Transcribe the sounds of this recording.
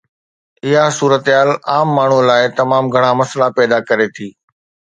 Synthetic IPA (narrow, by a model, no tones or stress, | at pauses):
ɪɦasuːɾət̪ɪɦaːlaːmːaːɳ̤ulaːɪt̪ɐmaːmɡʱɐɽ̃amɐslapɛːd̪akɐɾet̪ʰiː